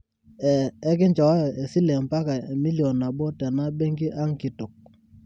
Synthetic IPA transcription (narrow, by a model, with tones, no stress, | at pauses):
ɛː˨˦k̬ɪ˦nt͡ʃɔ˨ɔ˦jɔ˨e˨si˦lɛ˨mpa˦ka˨e˨mi˦ljo˨na˨bɔ˦tɛ˨na˦bɛ˦ŋɡi˦ʔa˦ŋ˦kɪ˨tʊ˨k̚